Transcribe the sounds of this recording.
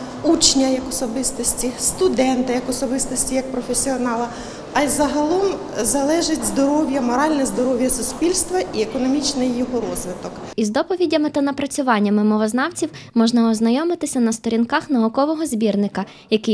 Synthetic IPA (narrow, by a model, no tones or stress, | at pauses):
ut͡ʃnʲɐjɐkɔsɔbɪst̪ɔsʲtʲist̪ʊd̪ɛnt̪ɪjɐkɔsɔbɪst̪ɔsʲtʲijɐk̚pɾɔfʲesʲiɔnɑlˠɐ | ɐzɐɦɐlˠɔm | zɐlˠɛʒɪtʲzd̪ɔɾɔwʲjɐmɔɾɑlʲnɛzd̪ɔɾɔwʲjɐsʊspʲilʲst̪ʋɐiekɔnɔmʲit͡ʃnɪjːɔɦɔɾɔzʋɪt̪ɔkizd̪ɔpɔʋʲidʲːɐmɪt̪ɐnɐpɾɐt͡sʲʊʋɑnʲːɐmɪmɔʋɔznɑwt͡sʲiwmɔʒnɐɔznɐjɔmɪt̪ɪsʲɐnɐst̪ɔɾʲinkɑxnɐʊkɔʋɔɦɔzʲbʲirnɪkɐ | jɐkɪj